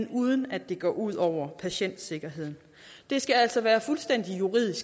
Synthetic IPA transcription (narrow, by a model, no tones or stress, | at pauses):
nuːð̞ˠənæd̥e̝ɡ̥ɒ̰ːuð̞̰ˠɒʊ̰ɐpʰæɕen̰d̥se̝ɡ̥ɐɦe̝ð̰ˠn̩ | d̥e̝sɡ̥ææl̰sɒ̽ʋæːɐfulsd̥en̰d̥ijuʁḭð̞̰ˠisɡ̥